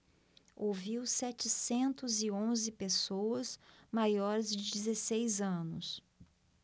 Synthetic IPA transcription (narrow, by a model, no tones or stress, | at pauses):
oviwsɛt͡ʃɪsẽnt̪ʊzɪõzɪpesowɐzmajɔɾɪzd͡ʒɪd͡ʒɪzesejzɐ̃nʊs